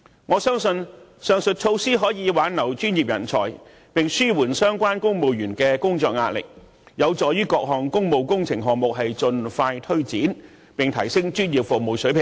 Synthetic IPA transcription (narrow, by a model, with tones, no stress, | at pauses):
ŋɔː˨˧sœː˥ŋsɵ˧nsœː˨ŋsɵ˨t̚t͡ʃʰo˧wsiː˥ɦɔː˨˥jiː˨˧waː˨˥nnɐ˨˩wt͡ʃyː˥njiː˨p̚jɐ̰˨˩nt͡sʰɔ̰ː˨˩j | pɪ˨ŋsyː˥wuː˨˩nsœː˥ŋkʷwaː˥nkʊ˥ŋmo˨wjyː˨˩nkɛː˧kʊ˥ŋt͡sɔː˧k̚ŋaː˧t̚lɪ̰˨k̚ | jɐ˨˧wt͡sɔː˨˩jyː˥kɔː˧k̚ɦɔː˨˩ŋkʊ˥ŋmo˨wkʊ˥ŋt͡sʰɪ˨˩ŋɦɔː˨ŋ̚mʊ˨k̚ɦɐ˨jt͡sɵ˨nfaː˧jt̪ʰɵ˥ɥt͡siː˨˥n | pɪ˨ŋt̪ʰɐ˨˩jsɪ˥ŋt͡ʃyː˥nji˨p̚fʊ˨k̚moː˨˩wsɵ˨˥ɥpʰɪ˨˩ŋ